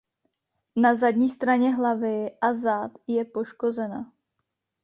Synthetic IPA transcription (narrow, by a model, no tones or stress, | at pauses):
nazadɲiːst̪ɾaɲɛɦlavɪʔazat̪jɛpo̞ʃko̞zɛna